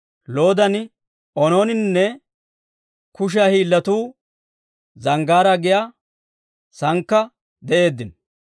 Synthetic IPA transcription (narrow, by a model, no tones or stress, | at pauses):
loːd̪ɐn | ɔnoːnɪnnːɛ | kʊʃ̬aːhiːlːɐt̪uː | zɐŋɡaːɾɐɡɪjaː | sɐŋkːɐ | d̪ɛʔe̞ːd̪ːɪn